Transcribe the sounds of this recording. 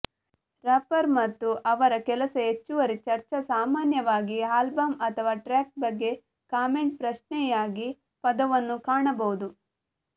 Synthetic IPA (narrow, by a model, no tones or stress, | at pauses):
ɾɐpɐɾmɐt̪ːuʔɐʋɐɾɐkɛlɐsɐet͡ʃːuʋɐɾit͡ʃɐɾt͡ʃɐsaːmaːnjɐʋaːɡiaːlbɐmɐt̪ʰɐʋaːʈɾaːk̚bɐɡːe̞ | kaːme̞ɳʈ̚pɾɐʃɳɛjaːɡi | pɐd̪ɐʋɐnːukaːɳɐbɐʋud̪u